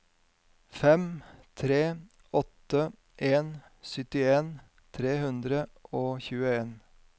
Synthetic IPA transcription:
fɛmt̪ʰɾeː | ɔt̪ə | ʔeːn | sʏt̪ɪeːn | t̪ʰɾeːhʉnd̪ɾəʔoːçʉːəeːn

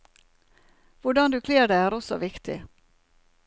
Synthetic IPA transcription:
ʋʊɖɑnd̪ʉːkʰleːɖæɪæːɾɔsɔ̰ʋɪkt̪ʰɪ̰

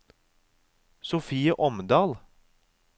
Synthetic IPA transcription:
sʊfiːəʔɔmd̪ɑːl

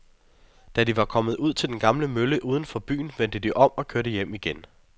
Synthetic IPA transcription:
d̥ædiʋɑ̈kʰɒ̽məð̞̩ˠuð̞̰ˠt͡sʰe̝ld̥enɡ̥ɑ̈mləmøləʔuːð̞ˠn̩fɒ̽b̥y̰ːn̩ʋen̰d̥əd̥iʔɒ̽m̰ɒ̽kʰøɐɾəjem̰iɡ̥en

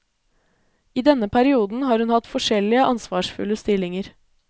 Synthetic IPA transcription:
iːd̪ɛnəpʰæɾɪuːd̪n̩hɑːɾhʉnhɑt̪fɔʂɛlɪəʔɑnsʋɑːʂfʉ̰ləst̪ɪlɪŋəɾ

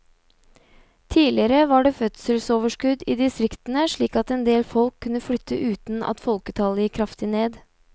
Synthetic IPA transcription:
t̪ʰiːlɪəɾəʋɑɖeːfœt̪səlsoːʋəʂkʉd̪iːd̪ɪst̪ɾɪkt̪ənəʂɭiːkɑt̪ɛnd̪eːlfɔlkʰːʉnːəflʏt̪ʰːə̰ʔʉːt̪n̩ɑ̰t̪fɔlkət̪ʰɑləjɪkʰːɾɑft̪ɪneːd̪

